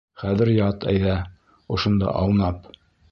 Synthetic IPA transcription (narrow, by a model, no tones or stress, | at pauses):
χæðɘ̆ɾjɑt̪ʰæ̰jðæ | ŏʃŏnd̪ɑ̰ʔɑlˠnɑp